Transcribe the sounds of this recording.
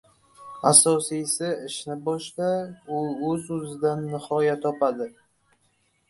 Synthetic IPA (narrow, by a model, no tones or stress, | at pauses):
asɒsijsɪɪʃnɪbɒʃt̪aʊɵzɵzɪd̪anːɪhɒjat̪ʰɒpad̪ɪ